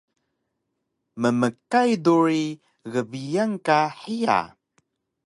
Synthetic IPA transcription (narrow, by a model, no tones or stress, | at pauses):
məməkajduɾi | ɣəbijaŋkaħija̰